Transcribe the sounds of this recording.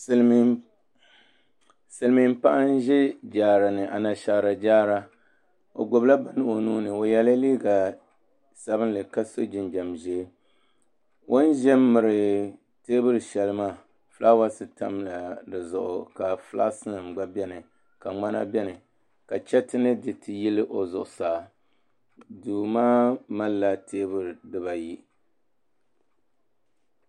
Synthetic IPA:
sɨ˨lmi˨m˦pa˦ʔa˦n˦ʒɛ˦d͡ʒaː˨ɾa˨nɨ˨ʔa˨na˨ʃa˨ɾa˨d͡ʒaː˦ɾa˦ | o̰˨ɡo˨bla˦ba˨nɨ˦ʔo˨nuː˦nɨ˨o˨jɛ˦la˦liː˦ɡa˨ | sa˨bɨ˦nlɨ˨ka˦so˦d͡ʒɪ˦nd͡ʒa˨mʒɛ˦ | wʔo˦n˦ʒɛ˦mːɨ˨ɾɨ˨ | teː˦bɨ˦ɾɨ˨ʃɛ˨lɨ˦maː˦˨ | fɨ˦la˦wa˦sɨ˨ta˦mla˨dɨ˨zʊ˨ʔʊ˨ka˨fla̰ː˦sɨ˦nɨ˨mɡ͡ba˦bɛ˦nɨ˨ | ka˨ŋ͡ma˦na̰˦bɛ˦nɨ˨ | ka˨t͡ʃɛ˦tɨ˦nɨ˦dɨ˨tɨ˨ji˦lɨ˦ʔo˨zʊ˨ʔʊ˨saː˨ | duː˨maː˦ma˦lːa˦tʰeː˦bɨ˦ɾɨ˨dɨ˦ba˨ji˦

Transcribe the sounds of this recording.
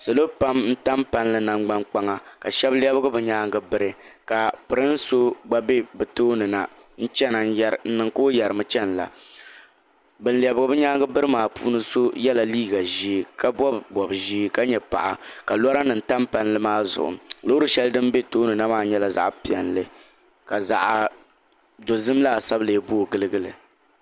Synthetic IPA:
sɨ˨lo˦pa˦mn̩˦ta˦mpa˦nlɨ˦na˨ŋ͡mɡ͡ba˦ŋk͡pa˦ŋa˦ka̰˨ʃɛ˦bli˦ɛ˦bɨ˦ɡɨ˦bɨ˨ɲaː˦ŋɡɨ˦bɨ˦ɾɨ˦ka˨pɨ˨ɾɨ˦n̩˦so˦ɡ͡ba˦be˦bɨ˨toː˦nɨ˨na̰˨ | n̩˦t͡ʃɛ˦na˨n̩˦ja˦ɾn̩˦nɨ˨ŋkoː˦jɛ˨ɾɨ˨mɨ˦t͡ʃɛ˦n˨la̰˨ | bɨ˨nli˨ɛ˨bɨ˨ɡɨ˨bɨ˦ɲaː˦ŋɡɨ˦bɨ˦ɾɨ˦maː˨pṵː˦nɨ˦so˦jɛ˦la˨liː˦ɡa˨ʒiː˦ka˦bɔ˦bbɔ˨bʒi˦ka˦ɲɛ˨pa̰˨ʔa̰˨ka˨lɔ˦ɾa˦nɨ˨n̩˨ta˦mpa˦n˦lɨ˦maː˦zʊ̰˨ʔʊ̰˨mlo˦ɾɨ˦ʃɛ˦ldɨ˦m˦be˦toː˦nɨ˨na˦maː˨˦ɲɛ˦la˨za̰˨ʔpi˨ɛ˨nlɨ˦ | ka˨za̰˨ʔ | do˨zɨ˦m˦laː˦˨sa˦ble˨˦˨bo˦˨ɡɨ˦lɨ˦ɡɨ˦lɨ̰˨

